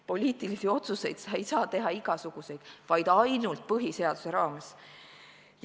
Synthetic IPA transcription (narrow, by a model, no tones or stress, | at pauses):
po̞lʲiːt̪ilisio̞t̪suse̞jd̪̥sɑejsɑːt̪e̞ɦɑiɡ̥ɑsuɡ̥use̞jd̪̥vɑjd̪̥ɑjnult̪̚pɤɦise̞ɑd̪̥use̞ɾɑːmes